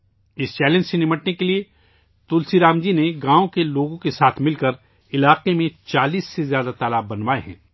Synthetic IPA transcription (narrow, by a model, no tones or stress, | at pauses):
ɪst͡ʃɛːlɛ̃nd͡ʒsenɪməʈnekelie | t̪ʊlsiɾaːmd͡ʒineɡãːõkeloːɡõkesaːt̪ʰmɪlkəɾ | ɪlaːqemẽt͡ʃaːliːsːezjaːd̪at̪aːlaːbːɐnwaːḛɦɛ̰̃ː